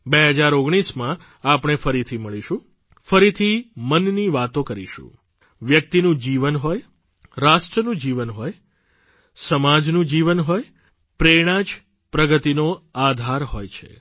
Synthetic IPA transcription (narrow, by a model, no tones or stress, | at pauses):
beɦəd͡ʒaɾoɡɽ̃ismã | apɽ̃efəɾit̪ʰiməɭiʃũ | fəɾit̪ʰimənniʋat̪õkəɾiʃṵ̃ | ʋjək̚t̪inũd͡ʒiʋənɦoj | ɾaʃʈɾənũd͡ʒiʋənɦoj | səmad͡ʒnũd͡ʒiʋənɦoj | pɾeɽ̃ãd͡ʒ | pɾəɡət̪inoad̪ʱaɾɦojt͡ʃʰḛ